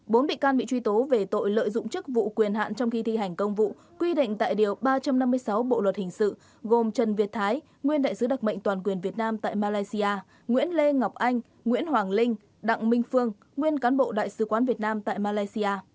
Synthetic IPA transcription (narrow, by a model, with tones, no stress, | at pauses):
ɓo˨˦nɓḭ˧˨kaː˧nɓḭ˧˨t͡ɕwi˧t̪o˨˦ve˨˩t̪o̰˧˨jlə̰ː˧˨jzʊ̰˧˨ŋ͡mt͡ɕɨ˦˥k̚vṵ˧˨kwi˨˩ənɦa̰ː˧˨nt͡ɕɔ˧wŋ͡mxi˧t̪ʰi˧ɦa˨˩jŋ̟kə˧wŋ͡mvṵ˧˨ | kwi˧ɗḭ̈˧˨ŋ̟t̪a̰ː˧˨jɗi˨˩əwɓaː˧t͡ɕa˧mna˧mːɨ˧əjsa˨˦wɓo̰˧˨lwə˨˩t̚hï˨˩ŋ̟sɨ̰˧˨ | ɣo˨˩mt͡ɕə˨˩nvi˨˩ət̚t̪ʰaː˨˦j | ŋwi˧ənɗa̰ː˧˨jsɨ˨˦ɗa˨˩k̚mə̰˧˨jŋ̟t̪waː˨˩nkwi˨˩ənvi˨˩ət̚naː˧mt̪a̰ː˧˨jmaː˧laː˧jsi˧aː˧ | ŋwḭ˧˥ənle˧ŋa˨˩wk͡p̚ʔa˧jŋ̟ | ŋwḭ˧˥ənɦwaː˨˩ŋlï˧ŋ̟ | ɗa̰˧˨ŋmï˧ŋ̟fɨ˧əŋ | ŋwi˧ənkaː˨˦nɓo̰˧˨ɗa̰ː˧˨jsɨ˨˦kwaː˨˦nvi˨˩ət̚naː˧mt̪a̰ː˧˨jmaː˧laː˧jsi˧aː˧